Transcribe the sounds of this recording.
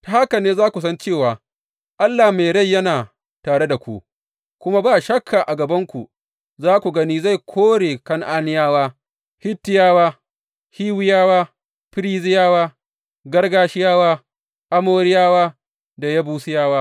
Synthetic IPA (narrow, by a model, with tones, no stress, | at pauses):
ta˨ha˦kɐ˨neː˦zaː˦kʷu˨s̬ɐ˦nt͡ʃeː˦˨waː˨ | ʔa˦lːaː˨hme˨ɽa˦˨jːɐ˦naː˨ | taː˨ɽe˦da˨kʷu˦ | kʷʊ˦ma˦baː˦˨ʃɐ˦kʰːa˨ʔa˨ɡɐ˨bɐ˦ŋkʷu˨ | zaː˦kʷu˨ɡɐ˦niː˦za˦˨jkʷʰoː˦ɽeː˨kɐ˦ŋʔaː˦nɪ˦jaː˦waː˦ | hɪ˦tːɪ˦jaː˦waː˦ | hiː˦wɪ˦jaː˦waː˦ | ɸɪ˦ɾiː˦zɪ˦jaː˦waː˦ | ɡɐ˦rɡaː˦ʃɪ˦jaː˦waː˦ | ʔa˦moː˦ɾɪ˦jaː˦waː˦ | da˨ja˦buː˦sɪ˦jaː˦waː˦